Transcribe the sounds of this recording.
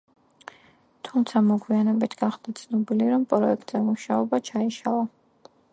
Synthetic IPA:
t̪ʰumt̪sʰamɔɡwianɛbit̪ʰɡaχd̪at̪sʰnɔbiliɾɔmpʼɾɔɛk̚ʼt̪ʼz̥ɛmuʃaɔbat͡ʃʰaiʃalˠa

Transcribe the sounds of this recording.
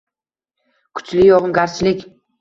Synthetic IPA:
kʰʊ̥t͡ʃlɪjɒʁɨnɡʲaɾt͡ʃʰɪlɪkʲ

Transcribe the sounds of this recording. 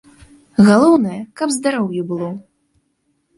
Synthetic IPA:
ɣalˠɔwnɐjɐkɐbzd̪aɾɔwjubɨlˠɔ

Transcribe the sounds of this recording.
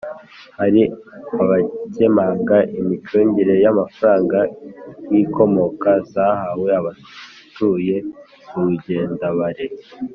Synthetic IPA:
haɾiaβace̞maːŋɡaʔimit͡ʃoːɲɟiɾe̞jamafaɾaːŋɡajiko̞mo̞kazahawe̞aβa | tuje̞ | uuɟe̞ːndaβaɾe

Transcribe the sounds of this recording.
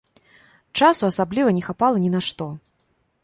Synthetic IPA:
t͡ʂasuasablʲivɐnʲɛxapalˠɐnʲinaʂt̪ɔ

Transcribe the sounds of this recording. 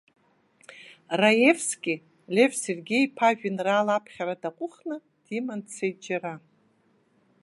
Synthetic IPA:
rajevsɡʲɪ | lʲe̞vse̞rɡʲe̞jpʰaʒᶣɪnraːlapʰχʲaɾadaqʷʼʊχnɨ | d̥imandt͡sʰejt̚d͡ʒara

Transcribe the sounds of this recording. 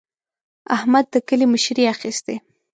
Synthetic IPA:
ahmad̪̚ːəkəliməʃɾiaxist̪e

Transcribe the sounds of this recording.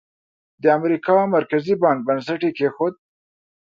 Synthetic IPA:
d̪əamɾikɑmaɾkazibɑŋk̚bans̬aʈikexod̪̚

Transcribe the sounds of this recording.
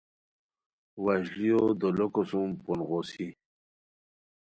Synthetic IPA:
waɕlijod̪olokosumpunʁosi

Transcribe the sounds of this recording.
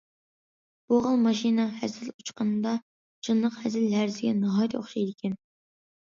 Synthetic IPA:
b̥oʁəlˠmɑʃinɑhɛzɪlut͡ʃqənɨd̪ɑ | t͡ʃʰɨnːəqhɛzɪlɦæɾzɪɡʲɛnɨɦɑːjt̪ʰo̰χʃɑjd̪ɪkʲʰɛn

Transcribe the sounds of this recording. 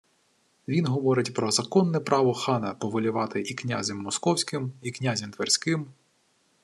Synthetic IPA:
ʋʲinɦɔʋɔɾɪtʲpɾɔzɐkɔnːɛpɾʔɑʋɔxɑnɐpɔʋɔlʲʊʋɑt̪ɪʔiknʲa̰zʲɐmːɔskɔwsʲkɪmiknʲazʲɐmt̪ʋerʲsʲkɪm

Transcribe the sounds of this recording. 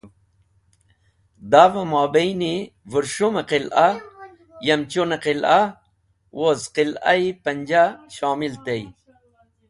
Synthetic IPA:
d̪avɐmoːbejnivuɾʂumeqila | jɐmt͡ɕuneqila | wʔozqila̰ipɐnd͡ʑaɕoːmilt̪ej

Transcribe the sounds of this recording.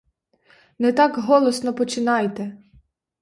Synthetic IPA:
nɛt̪ɑkɦɔlˠɔsnɔpɔt͡ʃɪnɑjt̪ɛ

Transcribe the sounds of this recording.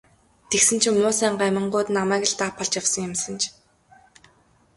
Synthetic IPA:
t̪ʰeksɘ̆nt͡ɕʰɵmnʊːsæːɴɢamʲə̆ɴɢʊːt̪namæːk̆ɮt̪aːpʰːɔɮt͡ɕjawsə̆ŋjʊmsə̆nt͡ɕʰ

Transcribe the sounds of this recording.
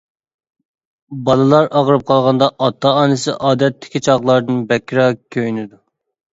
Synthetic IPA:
bɑlˠɨlˠɑɾɑʁəɾɨp̚qʰɑlˠʁɑnd̪ɑʔɑt̪ʰːɑɑːnɨsɪʔɑːd̪ɛt̪ʰːɪ̥kʲit͡ʃʰɑʁlˠɑɾd̪ɨnbɛkʲːɾɑkʲʰøjnɪd̪u

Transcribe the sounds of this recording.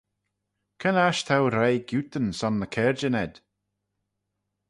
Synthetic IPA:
kʰənaʃt̪ʰawɾejɡjut̪ənsɔnːəkʰɛɹd͡ʒənɛd̪̥

